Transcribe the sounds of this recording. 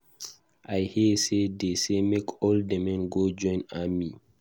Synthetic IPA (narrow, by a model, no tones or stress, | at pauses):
ajhisedesemekʰɔldəmɛ̃nɡod͡ʒɔ̃ɪ̃nami